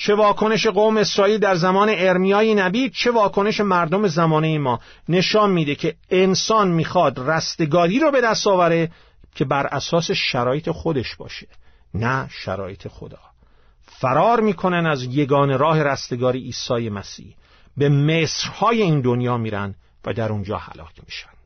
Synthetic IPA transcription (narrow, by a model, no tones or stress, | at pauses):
t͡ʃʰe̞vɒːkʰo̞ne̞ʃe̞ɣoːmeesɾɒːiːld̪æɾzæmɒːne̞ːɾmijɒːjenæbiːd̪̚t͡ʃʰe̞vɒːkʰo̞ne̞ʃe̞mæɾd̪o̞me̞zæmɒːnejemɒːne̞ʃɒːnmiːd̪ecʰe̞ːnsɒːnmiːxɒːd̪ræst̪e̞ɡɒːɾiːɾobe̞d̪æst̪ɒːvæɾe | cʰe̞bæɾʔæsɒːse̞ʃæɾɒːjet̪ʰexod̪e̞ʃb̥ɒ̰ːʃe̥ | næʃæ̰ɾɒ̰ːjet̪ʰe̞xo̰d̪ɒ̰ː | fæɾɒːɾmiːkʰo̞nænd̪æzje̞ɡɒːne̞ɾɒːhe̞ɾæst̪e̞ɡɒːɾiʔiːsɒːje̞mæsḭːh | be̞meːsɾhɒːje̞iːnd̪onjɒːmiːɾæ̰nd̪̥ | væ̰d̪æɾund͡ʒɒ̰ːhæ̰lɒ̰ːcʰmiːʃæ̥nd̪̥